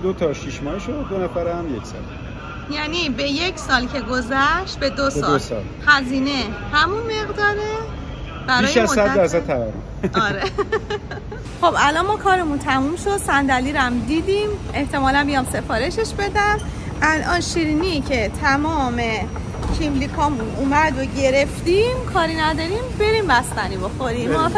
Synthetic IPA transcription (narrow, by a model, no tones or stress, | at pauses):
d̪ot̪ʰɒʃiʃmɒːhiʃodd̪onæfæɾæmjecsɒ̰ːl | jæːnibe̞jecʰsɒːlcʰe̞ɡo̞zæʃt̪̚be̞d̪osɒd̪osɒ̰lhæziːne̞hæmunme̞ɣd̪ɒːɾe | b̥æɾɒːjʃæzsæd̪æɾsæt̪t̪ʰːævæɾomɒːɾe | xo̞bælɒnmɒːkʰɒːɾe̞munt̪ʰæmumʃo̞d̪sænd̪æliːɾæmd̪iːd̪ime̞ht̪ʰe̞mɒːlænbijɒːmse̞fɒːɾe̞ʃe̞ʃbe̞d̪æm | ʔælʔɒːnʃiɾinicʰe̞t̪ʰæmɒːme̞ | cʰimlikʰɒːmunʔuːmæd̪oɟe̞ɾe̞ft̪imkʰɒːɾinæd̪ɒːɾimbe̞ɾimbæst̪ænibo̞xoɾimɒ